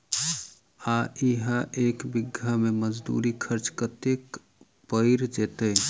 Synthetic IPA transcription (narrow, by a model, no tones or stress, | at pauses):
aiɦaʔekbiɡʱːameməd͡ʒd̪ṵɾikʰəɾt͡ʃkət̪ek | pəɪɾd͡ʒet̪ə